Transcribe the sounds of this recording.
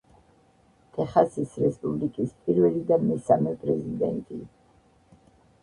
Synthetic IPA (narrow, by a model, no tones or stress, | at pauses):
t̪ʰɛχasisɾɛspʼublikʼispʼiɾvɛlid̪amɛsamɛpʼɾɛzid̪ɛ̰nt̪ʼi